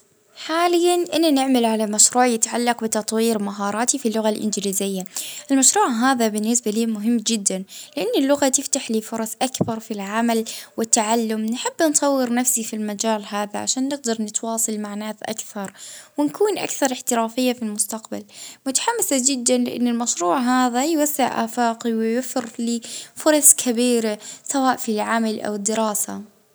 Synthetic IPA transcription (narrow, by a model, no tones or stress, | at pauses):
ħaːlɪjːanʔɪnːanɪʕmalʕalamaʃɾuːʕjɪt̪ʕalːɑqbɪt̪ɑt̪ˤwiːɾmaɦɑːɾˤɑːt̪ifilːʊɣalʔɪ̰nd͡ʒliːzɪjːaʔɪlmaʃɾuːʕɦaːðabɪnːɪsbaliːmʊɦɪmːd͡ʒɪd̪ːanlɪʔanːɪlːʊɣat̪ɪft̪aħliːfʊɾˤɑsʔakbɑɾˤfilʕamalwɪt̪ːaʕalːʊmnħɪbːnsˤɑwːɪɾnafsifilmad͡ʒaːlhaːða̰ʕa̰ʃaːnːɪɡ̚d̪ɑɾˤnɪt̪wɑːsˤɨlmaʕnaːθʔa̰kθɑɾˤwɪnkuːnʔa̰kθɑɾˤɪħt̪ɪɾaːfɪjːafilmʊst̪aqba̰lmʊt̪ḁħamːɪsad͡ʒɪd̪ːanlɪ̰ʔa̰nːɪlmaʃɾuːʕɦaːðajwasːɪʕʔa̰ːfaːqiwɪjafɪɾliːfʊɾˤɑskʰɪbiːɾasawaːʔfilʕamalʔa̰wɪd̪ːɪɾɑːsa̰